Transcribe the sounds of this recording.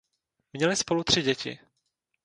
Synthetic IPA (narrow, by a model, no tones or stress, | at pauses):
mɲɛlɪspo̞lut̪r̝̥ɪɟɛcɪ̰